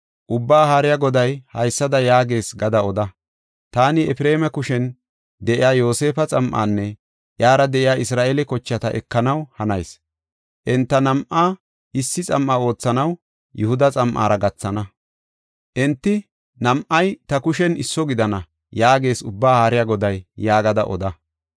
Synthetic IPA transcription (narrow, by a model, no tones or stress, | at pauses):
ʔʊbːaːhaːɾɪjaɡɔd̪ɐjhɐjsːɐd̪ɐjaːɡe̞ːsɡɐd̪ɐɔd̪ɐ | t̪aːnɪɛfɪɾe̞ːmɛkʊʃɛn | d̪ɛʔɪjaːjo̞ːse̞ːfɐt͡sʼɐmʔa̰ːnːɛ | jaːɾɐd̪ɛʔɪjaːɪsɾaːʔelɛkɔt͡ʃːɐt̪ɐʔɛ̰kːɐnɐwhɐnɐjs | ʔɛnt̪ːɐnɐmʔaː | ɪsːɪt͡sʼɐmʔaːo̞ːt͡sːɐnɐw | jʊhʊd̪ɐt͡sʼɐmʔa̰ːɾɐɡɐt͡sːɐnɐ | ʔɛnt̪ːɪ | nɐmʔɐjt̪ɐkʊʃɛnɪsːɔɡɪd̪ɐnɐ | jaːɡe̞ːsʊbːaːhaːɾɪjaɡɔd̪ɐjːaːɡɐd̪ɐʔɔ̰d̪ɐ